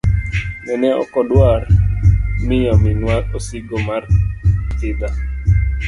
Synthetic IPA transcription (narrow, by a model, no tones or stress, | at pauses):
nɛnɛɔ̰kɔdwar | mɪjɔmɪŋwaɾosiɡomartɪd̪a